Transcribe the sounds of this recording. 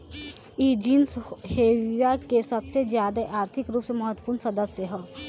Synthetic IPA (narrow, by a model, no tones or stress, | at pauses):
id͡ʒinsheːwijakesɐbsezjaːd̪aʔaːɾt̪ʰɪkɾuːpsemɐɦət̪wəpuːɾnsɐd̪əsjəɦɛː